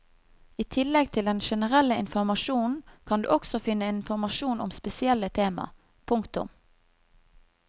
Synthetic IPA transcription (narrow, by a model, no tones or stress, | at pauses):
iːt̪ʰɪlːɛɡ̚t̪ʰɪld̪ɛnʃɛnəʁɛlːəɪnfɔʁmɑʃuːnn̩kʰɑnd̪ʉ̰ːʔɔksɔfɪnːəɪnfɔʁmɑʃuːnɔmspɛsɪɛlːət̪ʰeːmɑ̰ | pʰʊŋkt̪ʊ̰m